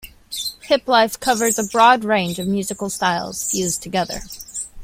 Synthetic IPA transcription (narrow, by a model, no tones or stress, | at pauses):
hʰɪplaɪfkʰʌvə˞zəbɹɔd̚ɹẽɪ̃nd͡ʒʌvmjʉzɨkl̩ˠstaɪlˠz̥fjʉztʰɨɡɛðə̰˞